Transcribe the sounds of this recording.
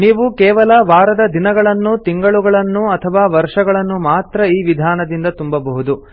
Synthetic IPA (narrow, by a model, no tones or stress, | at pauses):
niːʋukɛːʋɐlɐʋaːɾɐd̪ɐd̪inɐɡɐɭɐnːut̪iŋɡɐɭuɡɐɭɐnːuɐt̪ʰɐʋaːʋɐɾʂɐɡɐɭɐnːumaːt̪ɾɐiːʋid̪ʱaːnɐd̪ind̪ɐt̪umbɐbɐɦud̪u